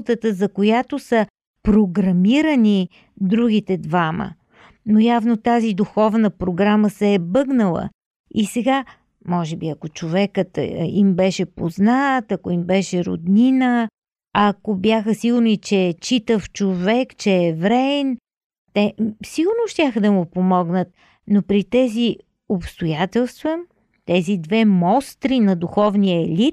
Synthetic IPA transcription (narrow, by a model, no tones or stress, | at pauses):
t̪ət̪əzɐkojat̪osə | pɾoɡɾɐmiɾəni | d̪ɾuɡit̪ɛd̪vamə̰ | nojavnot̪azid̪uxɔvnəpɾoɡɾaməsɛːbɤɡnəlˠə̰ | isɛɡa | mɔʒɛbiɐkot͡ʃovɛkət̪imbɛʃɛpoznat̪ɐkoimbɛʃɛɾo̰d̪ninə | ɐkobjaxəsiɡʊɾnit͡ʃɛt͡ʃit̪əft͡ʃovɛkt͡ʃɛːvɾɛn | t̪ɛsiɡʊɾnoʃt̪ʲjaxəd̪ɐmʊpomɔɡnət̪̚ | nopɾit̪ɛzi | opst̪ojat̪ɛlˠst̪və | t̪ɛzid̪vɛmɔst̪ɾinɐd̪uxɔvnijəɛlit̪̚